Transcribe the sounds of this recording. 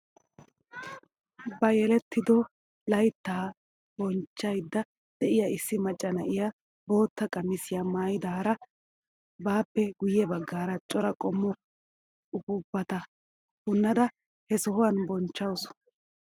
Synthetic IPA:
bɐjɛlɛt̪ːɪd̪ɔ | lɐjt̪ːaː | bɔnt͡ʃːɐjd̪ːɐ | d̪̥ɛʔɪjɐɪsːɪmɐt͡ʃʼːɐnɐʔɪja | bo̞ːt̪ːɐkʼɐmːɪsɪjamaːjɪd̪aːɾɐ | baːpːɛɡʊjɛbɐɡːaːɾɐt͡ʃʼɔɾɐkʼɔmːɔ | ʊbʊbːɐt̪ɐ | hʊnːɐd̪ɐ | hɛsɔhʊwɐnbɔnt͡ʃːɐws

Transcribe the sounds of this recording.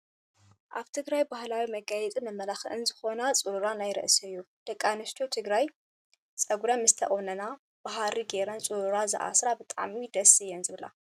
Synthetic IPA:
ʔaβt̪ʰɨɡɾajbahlawimɐɡajɛt͡sʼimɐmːɐlaxɨʔɨnzɨxo̞nat͡sʼuɾuɾanajɾɐ̰ʔsɨɨjːu | d̪̥ɐkʼːanɨst̪ʰot̪ʰɨɡɾaj | t͡sʼɐɡuɾɐmɨst̪ʰɐʔʼonɐna | b̥aɦaɾiɡeɾɐnt͡sʼuɾuɾazɨ̰ʔa̰sɾabɨt̪ʼaʕmid̪ɐsɨjɛnzɨβla̰

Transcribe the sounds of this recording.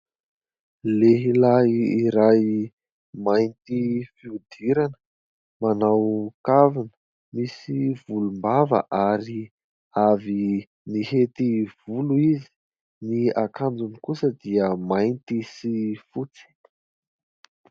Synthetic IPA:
leɦilaiɾaj | majnt̪ifiud̪iɾanə̥ | manawkavinə̥ | misiv̥ulumbavə̰ʔaɾi | avi | niɦet̪iv̥uluizi̥ | niakand͡zunikusəd̪iəmajnt̪isifut͡si̥

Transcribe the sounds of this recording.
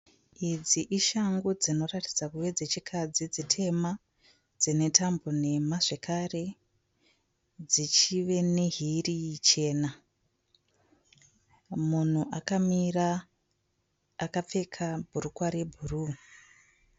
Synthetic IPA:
id͡ziʔiʃaŋɡod͡zino̞ratid͡zakuwe̞d͡zet͡ʃikʰad͡zid͡zitʰe̞ma | d͡zine̞tʰambo̞ne̞maʐe̞kʰare̞ | d͡zit͡ʃiʋe̞ne̞ɦirit͡ʃe̞ːna | mun̤uʔakamira | kap͡fe̞kʰabʱurukwaɾebʱuru

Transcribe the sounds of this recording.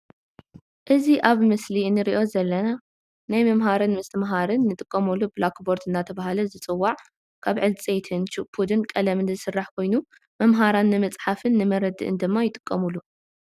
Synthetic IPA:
ʔɨziʔaβmɨsliɨnːɨɾiʔo̞zɐlːɐna | najmɐmɦaɾɨnmɨst̪ʰɨmɦaɾɨnːɨt̪ʼɨkʼːɐmulːubɨlakboɾt̪ʰɨnːat̪ʰɐβahalɐzɨt͡sʼɨwːaʕ | kʰaβʕɨlt͡sʼet̪ʰɨnt͡ʃuʔpʰud̪ɨnkʼɐlɐmɨnzɨsɨrːaħkʰo̞jnu | mɐmɦaɾanːɨmɐt͡sʼħafɨnːɨmɐɾɐd̪ɨ̰ʔɨ̰nd̪ɨmːajɪt̪ʼɨ̥kʼːɐmulːu

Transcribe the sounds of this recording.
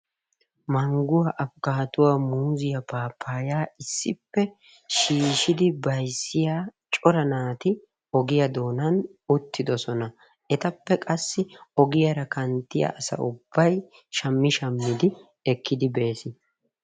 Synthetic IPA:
mɐŋɡʊwaʔɐfɡaːt̪ʊwaːmuːzɪjɐpaːpʰːaːjaːɪsːɪpːɛ | ʃiːʃɪd̪ɪbɐjsːɪjaːt͡ʃʼɔɾɐnaːt̪ɪ | ɔɡɪjɐd̪o̞ːnɐnʊt̪ʰːɪd̪ɔsɔnɐ | ɛt̪ɐpːɛkʼɐsːɪɔɡɪjɐɾɐkɐnt̪ːɪjɐ̰ʔɐsɐ̰ʔʊbːɐj | ʃɐmːɪʃɐmːɪd̪ɪ | ɛkːɪd̪ɪbe̞ːsɪn

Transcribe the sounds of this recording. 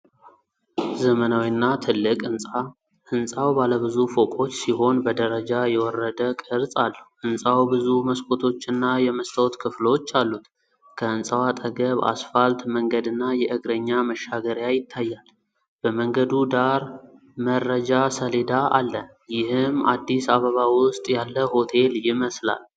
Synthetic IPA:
zəmənawinːat̪ʰɨlːɨkʼɨnsʼa | ʔɨnsʼawbaləβɨzufo̞kʼo̞t͡ʃːsiɦo̞nbəd̪əɾəd͡ʒajɛwɔrːəd̪əkʼɨɾsʼalːəʔɨnsʼawbɨzuməskʰʼo̞t̪ʰo̞t͡ʃːɨnːajɛməst̪ʰəwt̪kʰɨflot͡ʃːalːut̪ | kʰəɨnsʼəwat̪ʼəɡəβa̰sfalt̪məŋɡəd̪ɨnːajɛʔɨɡɾəɲːaməʃːaɡəɾjajɪt̪ʰːajːal | b̥əməŋɡəd̪ud̪aɾ | mərːəd͡ʒasəled̪aʔalːə | jɪhɨmad̪ːisaβəβawʊʊst̪ʼjalːəho̞t̪ʰe̞ljɪməsla̰l

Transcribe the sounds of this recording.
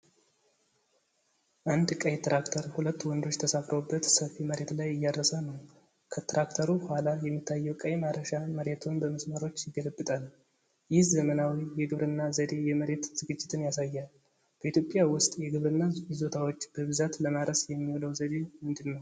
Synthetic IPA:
ʔand̪kʼəjt̪ɾakt̪ʰəɾhulət̪ːwɔnd̪o̞t͡ʃːt̪ʰəsafɾobːət̪səfiməɾe̞t̪lajɨjːad̪ɾəsanəw | kʰət̪ɾakt̪ʰəɾubəhʷalajɛmːit̪ʰːajːɛwkʼəjmaɾəʃaməɾe̞t̪ʰunbəməsməɾo̞t͡ʃːjɪɡːələbːɨt̪ʼal | jɪzəmənawijɛɡɨβɾɨnːazəd̪e̞jɛməɾe̞t̪z̥ɨɡɨd͡ʒːɪt̪ʰɨnjasajːal | b̥əʔit̪jo̞pʼːjawʊst̪ʼjɛɡɨβɾɨnːazo̞t̪ʰawot͡ʃːb̥əβɨzat̪ləmaɾəsjɛmːiwoləwzəd̪e̞mɨnd̪ɨlnəw

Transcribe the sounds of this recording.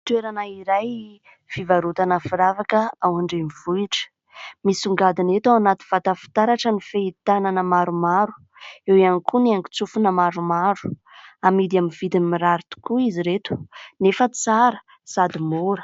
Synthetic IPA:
t̪weɾanaiɾaj | v̥ivaɾut̪anəfiɾavakəawaɳɖ͡ʐemiv̥uiʈ͡ʂə̥ | misuŋɡad̪inet̪awanat̪i̥v̥at̪afi̥t̪aɾaʈ͡ʂənifeit̪ananəmaɾumaɾu̥ | ewianikʰuneaŋɡi̥t͡sufunəmaɾumaɾu̥amid̪aminvid̪imiɾaɾit̪u̥kuiziɾet̪u̥nefət͡saɾə | sad̪imuɾə̥

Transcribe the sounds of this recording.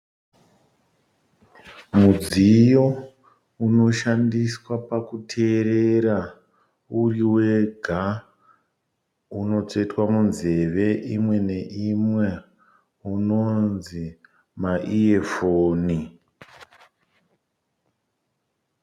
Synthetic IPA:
mud͡zijo̞ | uno̞ʃandiswapakutʰe̞ɾeɾa | uriwe̞ɡʱa | uno̞t͡se̞twamunze̞ʋe̞ʔimwe̞ne̞ʔimwe̞ | uno̞nzi | maʔiefoːni

